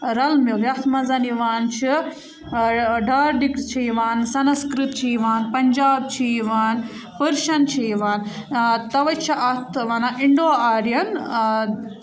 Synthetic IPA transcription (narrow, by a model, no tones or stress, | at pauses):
ɾɐlmiʋiɐt̪ʰmɐzɐniʋaːnt͡ʃʰi | ɖaːɾɖikt͡ʃʰiiʋaːnsɐnskɾit̪t͡ʃʰiiʋaːnpɐɲʲd͡ʒaːb̚t͡ʃʰiiʋaːn | pɨɾʃɐnt͡ʃʰiiʋaːnt̪ɐʋɐt͡ʃʰiʔɐt̪ʰʋɐnaʔiɳɖoːaːɾjɐn